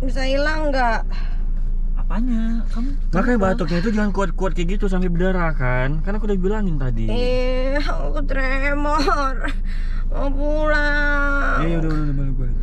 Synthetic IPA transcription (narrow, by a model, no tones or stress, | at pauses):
bisailaŋɡaʔ | apaɲa | kam | makajbat̪ʊk̚ɲait̪̬ud͡ʒaŋankuat̪̚kuat̪̚kɛɡit̪us̬ampebədaɾaka | nkarnakudahbilaŋɪnt̪adḭ | kut̪ɾɛ | mɔ | r | mɔpula | ajaudaudaudamaluka